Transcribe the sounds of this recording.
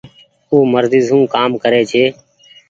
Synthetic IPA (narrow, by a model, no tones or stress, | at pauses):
oːməɾzɪːzũːkaːmkəɾeːt͡ʃʰeː